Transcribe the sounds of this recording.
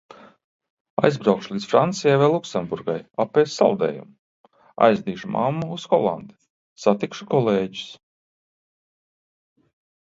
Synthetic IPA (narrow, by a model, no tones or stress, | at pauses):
a̰jzbɾawkʃulˠiːt̪sfɾant̪sijajvɛːlˠuksɛmbuɾɡajapːɛːssalˠd̪ɛ̰ːjṵm | a̰jzd̪iːʃuma̰mːuusxɔlˠa̰nd̪ɪ̥ | sat̪ikʃukɔlˠeːɟi̥s